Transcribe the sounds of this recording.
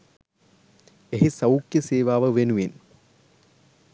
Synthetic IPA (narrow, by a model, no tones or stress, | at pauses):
eɦisɐwkjɐseːʋaːʋɐʋenuʋin